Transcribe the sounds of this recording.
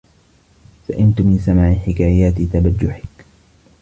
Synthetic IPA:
saʔɪnt̪ʊmɪnsamaːʕɪħɪkaːjaːt̪ɪt̪abad͡ʒːʊħɪk

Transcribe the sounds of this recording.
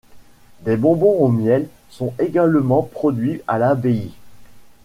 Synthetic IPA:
d̪ebɔ̃bɔ̃omjɛl | sɔ̃eɡalmɑ̃pχɔd̪ɥialabei

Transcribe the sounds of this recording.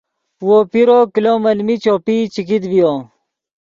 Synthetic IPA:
wopiɾoːkilomɐlmit͡ɕoːpit͡ɕikid̪bijo

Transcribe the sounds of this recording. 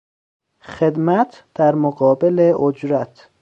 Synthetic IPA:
xed̪mæt̪ʰd̪̥æɾmoɡɒːbeleʔod͡ʒɾæt̪ʰ

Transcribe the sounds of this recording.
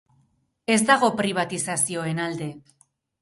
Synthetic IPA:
e̞zd̪aɣ̞o̞pɾiβ̞at̪isasio̞e̞nald̪e̞

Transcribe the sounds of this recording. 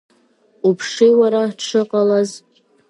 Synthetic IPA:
upʰʂijwaɾaʈ͡ʂʰɨqʼalaz

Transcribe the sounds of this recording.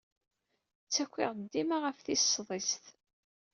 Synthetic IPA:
t͡sːækʷːɪ̰ʁd̪ːimaʁəfθisːðˤisθ

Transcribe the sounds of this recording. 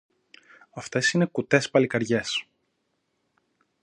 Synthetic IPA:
ɐft̪e̞sine̞kut̪e̞spɐlikɐɾʝe̞s

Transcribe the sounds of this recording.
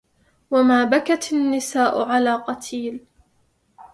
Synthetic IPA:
wamaːbakat̪anːɪsaːʔʊʕalaːqɑt̪ʰiːl

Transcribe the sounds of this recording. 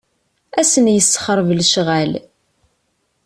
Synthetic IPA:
æsənjəsːə̥χəɾˤvlʃʁæl

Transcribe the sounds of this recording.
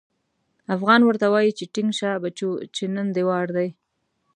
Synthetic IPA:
afɣɑnwəɾt̪awɑjit͡ʃeʈɪŋɡʃabat͡ʃot͡ʃenənd̪ewɑɾd̪aj

